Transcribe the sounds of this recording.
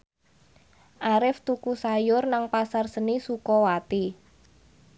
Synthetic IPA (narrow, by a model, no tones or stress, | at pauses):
ʔaɾɪft̪ukusajʊrnaŋpasarsənisukɔwat̪i